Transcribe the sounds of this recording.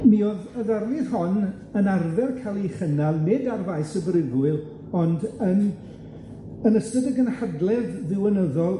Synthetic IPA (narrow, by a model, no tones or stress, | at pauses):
mioðəðarlið̥hɔn | ənarvɛrkʰalˠiχənalˠnedarvajsəbrɪvwɨlˠ | ɔndən | ənəstədəɡənhadlˠɛððɪwənəðɔlˠ